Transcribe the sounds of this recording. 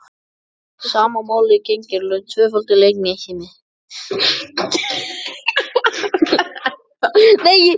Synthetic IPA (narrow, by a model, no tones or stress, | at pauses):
saːmamaːwlɪcejɲcɪɾlʏt̪ʰvœːfʏlt̪ɪlejk̚nɪçɪnɪ | nej